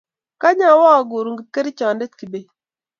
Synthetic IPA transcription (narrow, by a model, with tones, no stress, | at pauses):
ka˦ɲa˦˨˦wɔ˦ɔ˨ɡu˨ɾu˨ŋɡi˨t̚ke˦ɾi˦t͡ʃɔ˨nde˦tki˨be˨